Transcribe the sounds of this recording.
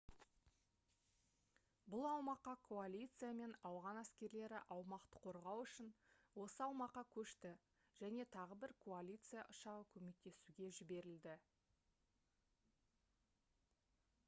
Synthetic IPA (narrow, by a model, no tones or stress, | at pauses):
bʊlˠɑwmɑqːɑkʰo̞alʲit̪sɨjame̞nɑwʁɑnæskʲe̞ɾle̞ɾɪ̰ʔɑwmɑqt̪ə̥qʰo̞ɾʁɑwʏʃɪnwo̞səɑwmɑqːɑkʲʰɵʃt̪ɪ | ʒ̥æne̞t̪ʰɑʁəbɪɾkʰoalʲijt̪sɨja̰ʔʊʃɑʁəkʲʰɵme̞k̚t̪e̞suɡʲe̞ʒɪbe̞ɾɪld̪ɪ